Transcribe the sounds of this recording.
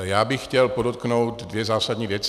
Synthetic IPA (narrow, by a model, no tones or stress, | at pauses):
jaːbɪxːcɛlpodot̪̚knowtt̪dvjɛzaːsadɲiːvjɛt͡s